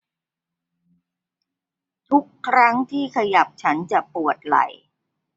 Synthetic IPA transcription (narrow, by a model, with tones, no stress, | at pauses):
t̪ʰu˦˥kʰːɾa˦˥ŋt̪ʰiː˥˩kʰa˧ja˨˩p̚t͡ɕʰa˦˥nt͡ɕa˨˩pu˨˩ət̪̚la̰˨˩j